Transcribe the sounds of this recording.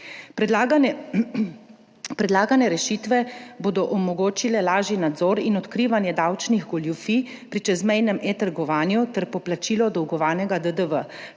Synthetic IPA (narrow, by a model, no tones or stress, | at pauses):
pɾɛd̪laːɡanɛɾɛʃit̪ʋɛboːd̪ɔʔɔmɔɡoːt͡ʃilɛlaːʒinad̪zɔːɾinɔt̪kɾiːʋanjɛd̪awt͡ʃniɣɡɔljufipɾit͡ʃɛzmɛjnɛmʔet̪aɾɡɔʋaːnjut̪ɛɾpɔplat͡ʃiːlɔd̪ɔwɡɔʋaːnɛɡad̪əd̪əʋə